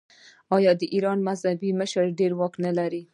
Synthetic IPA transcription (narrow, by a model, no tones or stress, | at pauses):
ɑjɑd̪əʔiɾɑnmazhabiməʃəɾɖeɾwɑknalaɾi